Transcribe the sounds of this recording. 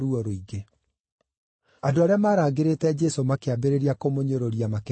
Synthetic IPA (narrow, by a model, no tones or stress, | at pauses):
ɾuɔɾoiɡe | adoaɾeamaːɾaːɡeɾetɛd͡ʒɛsomakeabeɾeɾiakomoɲoɾoɾiamak